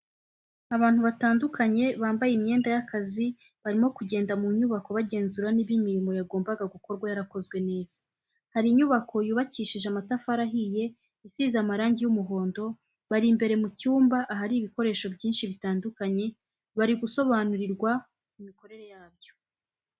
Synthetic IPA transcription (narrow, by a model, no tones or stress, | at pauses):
aβaːn̥huβataːndukʰaɲe̞βaːmbajemɲe̞ːndajakazi | βaɾimo̞kuɟe̞ːndamuɲuβako̞βaɟe̞ːnzuɾaniβimiɾimo̞jaɡo̞ːmbaɡaɡuko̞ɾɡwajaɾako̞zɡwe̞ne̞ːz̥ḁ | haɾiɲuβakʰo̞juːβaciːʃiʒeamatafaɾaɦije̞ | isiːzamaɾaːɲɟijumuɦo̞ːndo̞ | βaɾimbe̞ɾe̞mucuːmbaʔaɦaɾiːβiko̞ɾe̞ːʃo̞bɟiːnʃiβitaːndukaɲe̞ | βaɾiɡuso̞βaːnuɾiɾɡwa | mumiko̞ɾe̞ɾe̞jaːb̚jo̞